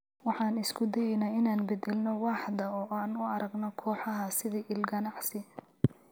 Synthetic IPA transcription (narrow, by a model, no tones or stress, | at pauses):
wɑħɑːnɪskʰʊd̪ɛjɛjnɐːɪnaːnbɛd̪ɛlnɔwɑːħd̪ɐɔːʔaːnʊɐɾɐɡnɔkʰɔːħɑɦɐsɪðiːʔɪlɡɐnɑʕsɪ